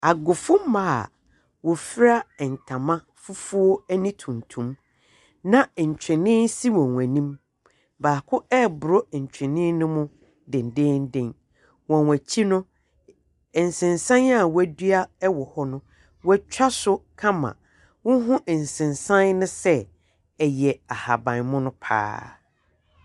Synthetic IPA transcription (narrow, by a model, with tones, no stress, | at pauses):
a˨ɡʊ˨fʊ˦m˦ma˦˨a̰˨ | wɔ˨fɪ˦ɾa˦˨n̩˨tʰã˨mã˦ | fu˦fu˦o˦æ˦nĩ˦tʰũ˨n˨tʰũ˨˦m | nã˨ɲ̩˨t͡ɕᶣɛ˨nɪ̃˦n˦si˦wɔ̃˨nwæ̃˨nĩ˦m | baː˨kʰʊ˦ɛ˦˨bʊ˨ɾɔ˦˨ɲ̩˨t͡ɕᶣʰɛ˨nɪ̃˦nʊ̃˦mʊ̃˦ | dɪ̃˨n˨dɪ̃ː˦n̩˦dɪ̃˦n | wɔ̃˨nwæ˨t͡ɕʰi˦nʊ̃˦˨ | n̩˨sɪ̃˨nsã˦na˦˨wæ˨dɥa˦ɛ˦wɔ˨hɔ˦nʊ̃˦ | wɛ˦t͡ɕᶣa˦sʊ˦kʰã˦mã̰˨ | wʊ̃˦ɦʊ̃˦ʔɛ˨n̩˨sɪ̃˨nsã˦nnʊ̃˦sɛ˦ | ɛ˨jɛ˨a˨ha˨bã˨nmʊ̃˦nʊ̃˦pʰa̰ː˦